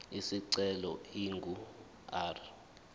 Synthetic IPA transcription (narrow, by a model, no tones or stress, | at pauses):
isiǀɛlɔ̰iŋɡʱu | aːr